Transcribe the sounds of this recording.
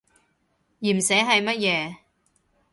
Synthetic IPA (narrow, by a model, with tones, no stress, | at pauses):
jiː˨˩msɛ˨˥ɦɐ˨jmɐ˥t̚jɛː˨˧